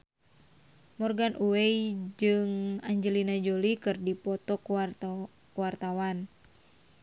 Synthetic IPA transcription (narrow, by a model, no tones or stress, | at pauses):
mɔrɡanʔuwɛid͡ʒɨŋaɲd͡ʒəlinad͡ʒolikɨrdipɔt̪ɔk | kuwart̪awan